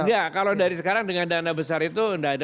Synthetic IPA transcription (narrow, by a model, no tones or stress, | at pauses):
jakalowdaɾisəkaɾaŋdəŋandanabəsaɾit̪uəndaada